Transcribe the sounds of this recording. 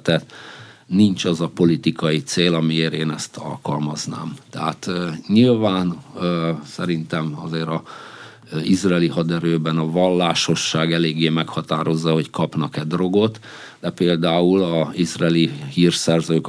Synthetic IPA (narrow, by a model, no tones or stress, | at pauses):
t̪ɛt̪nint͡ʃɒzɒpo̞lit̪ikɒjit̪seːlɒmijeːɾeːnɛst̪ɒ̰lkɒlmɒzna̰ːmt̪ɛɦaːt̪ːɲilvaːn | sɛɾint̪ɛmɒ̰zeːɾɒ | izraɛːlihɒd̪ɛɾøːbɛnɒvɒlːaːʃo̞ʃːaːɡɛleːɡːeːmɛkhɒt̪aːɾo̞zːɒho̞ckʰɒpnɒkɛd̪ro̞ɡo̞t̪d̪ɛpeːld̪aːulɒizraɛlihiːrsɛrzøːk